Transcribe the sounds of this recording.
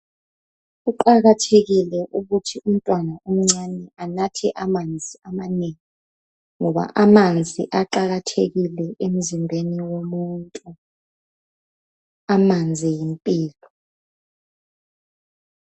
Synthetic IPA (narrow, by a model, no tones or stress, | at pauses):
uǃaɣatʰeɣilɛʔuɣutʰium̩tʼwanaum̩ŋ͡ǀanɛanatʰɛʔamand͡zʱiamaneːŋi | ŋɔɓa̰ʔamand͡zʱḭʔaǃaɣ̬atʰeɣilɛʔem̩zimbʱeniwomuːntʼu | amand͡zʱijimpʼiːlɔ